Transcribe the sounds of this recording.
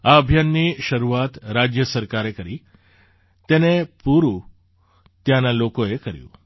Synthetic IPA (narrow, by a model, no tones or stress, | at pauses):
aəbʱjanːiʃəɾuat̪ɾad͡ʒjəsəɾkaɾekəɾi | t̪enepuɾũ | t̪janalokoekəɾjṵ̃